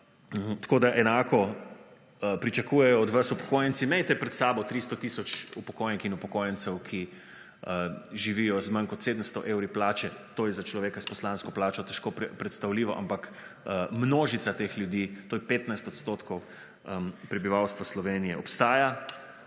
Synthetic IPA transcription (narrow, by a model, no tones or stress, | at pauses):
t̪koːd̪aʔɛnaːkɔ | pɾit͡ʃakujɛjɔːd̪ʋasupɔ̥koːjənt̪simɛjt̪ɛpɾɛt̪saːbɔt̪ɾist̪ɔt̪isɔt͡ʃupɔ̥koːjnixinupɔkoːjənt̪sɛwkʰi | ʒiʋiːjɔzmɐŋkɔt̪seːd̪ənst̪ɔʔeːwɾiplaːt͡ʃɛt̪oːjɛzat͡ʃlɔʋeːkaspɔslanskɔplaːt͡ʃɔt̪ɛʃkoppɾɛt̪st̪awliːʋɔʔa̰mpak | mnoːʒit̪sat̪exljud̪iːt̪oːjɛpeːt̪najst̪ɔt̪st̪ot̪kʰɔw | pɾɛbiʋawst̪ʋaslɔʋeːnijɛɔpst̪aːja